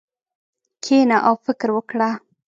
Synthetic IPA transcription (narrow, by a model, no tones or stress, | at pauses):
kʰenaʔawfɪkɾwəkɽa